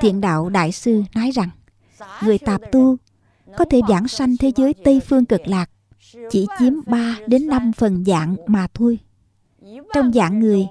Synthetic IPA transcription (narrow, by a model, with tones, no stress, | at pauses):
t̪ʰḭ˧˨ənɗa̰ː˧˨wɗa̰ː˧˨jsɨ˧nɔ˨˦jza˨˩ŋ | ŋɨ˨˩əjt̪aː˨˩p̚t̪u˧ | kɔ˨˦t̪ʰe˧˩zaː˧˩ŋsa˧jŋ̟t̪ʰe˨˦zə˨˦jt̪ə˧jfɨ˧əŋkɨ˨˩k̚laː˨˩k̚ | t͡ɕḭ˧˩t͡ɕi˨˦əmɓaː˧ɗe˨˦nːa˧mfə˨˩nza̰ː˧˨ŋmaː˨˩t̪ʰo˧j | t͡ɕɔ˧wŋ͡mza̰ː˧˩ŋːɨ˨˩əj